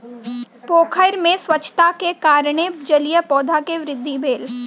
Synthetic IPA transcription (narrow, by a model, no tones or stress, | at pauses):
poːkʰəɾmẽswɐt͡ʃʰːt̪akekaːɾɽ̃ed͡ʒɐlijəpɔːd̪ʱakeʋɾɪd̪ʱːibeːl